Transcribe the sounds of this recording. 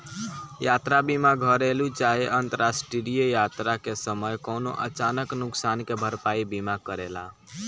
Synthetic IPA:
jat̪ɾabimaɡʱəɾelut͡ʃaɦeʔənt̪əɾasʈɾiɾijəjat̪ɾakesəməjkoːno̰ʔət͡ʃanəknʊksankebʱəɾpaibimakəɾela̰

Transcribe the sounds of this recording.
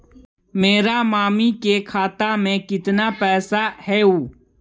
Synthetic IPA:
meːɾaːmaːmiːkeːkʰaːt̪aːmẽːkɪt̪naːpɛːsaːhɛːuː

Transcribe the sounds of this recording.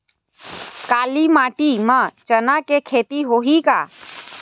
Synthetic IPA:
kaːlimaːʈimə̃t͡ʃənakekʰeːt̪iɦoɦika

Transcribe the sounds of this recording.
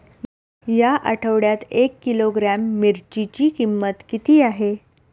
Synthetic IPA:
jaʔə̰ʈʰəʋɽjat̪ekːiloɡɾamːiɾt͡ɕit͡ɕiːkimːət̪kit̪iːaɦe

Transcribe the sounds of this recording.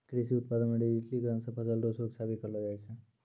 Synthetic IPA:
kɾisiut̪pad̪ənmaɖid͡ʒiʈliɡɾə̃nsə̃pʰəsəlɖosoksʰabikəɾlɔd͡ʒajt͡ʃʰə̃

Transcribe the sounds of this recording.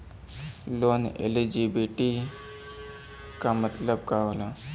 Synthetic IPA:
loːnḛlid͡ʒibiʈi | kamət̪ləb̚kaɦoːla

